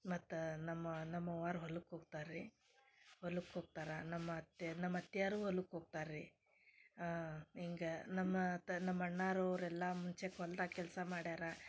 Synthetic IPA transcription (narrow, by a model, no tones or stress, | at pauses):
mɐt̪ːunɐmːɐnɐmːɐʋaːɾɦɔlːukɦoːɡ̚t̪aːɾːi | holukɦoːɡ̚t̪aːɾɐnɐmːɐt̪nɐmːɐɐt̪ːjaːɾuːɦolːukɦoɡ̚t̪aːɾɾi | iŋɡɐnɐmːɐt̪nɐmːɐɳːaːɾoːɾɛlːɐmuɲt͡ʃekɔlt̪akɛlsɐmaːɽaːɾɐ